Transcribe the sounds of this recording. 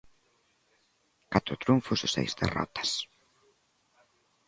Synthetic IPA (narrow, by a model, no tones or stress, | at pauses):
kat̪ɾʊt̪ɾuɱfʊsʊsḛjzd̪ḛrɔ̰t̪ɐ̥s